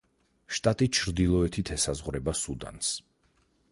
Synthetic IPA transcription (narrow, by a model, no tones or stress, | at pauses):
ʃt̪ʼat̪ʼit͡ʃʰɾd̪ilˠɔɛt̪ʰit̪ʰɛsazʁɾɛbasud̪a̰ns